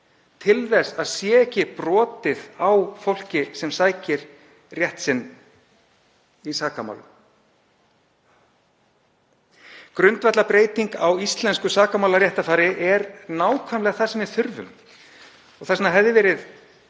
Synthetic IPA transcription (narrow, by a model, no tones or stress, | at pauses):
t̪ʰɪlðɛsaðsjɛːɛhcɪpɾɔːt̪ɪðawfowl̥cɪsɛmsaːjcɪɾ̥ | rjɛht̪sɪnː | isaːkama̰wlʏ̰m | kɾʏnt̪vɛt̪lapɾeːjt̪iŋkawist̪lɛnskʏsaːkamawlaɾjɛht̪afaːɾɪʔɛɾnaːwkʰvajmlɛɣaθasɛmɛɾ̥θʏɾvʏ̰m | ɔɣθɛsnːaɦɛvðɪvɛːɾɪð